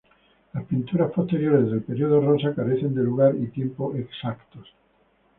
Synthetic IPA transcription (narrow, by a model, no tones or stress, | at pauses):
aspint̪uɾaspost̪eɾjoɾezðelpeɾjioðorõnsakaɾeθend̪eluɣaɾit̪jempoʔeksakt̪os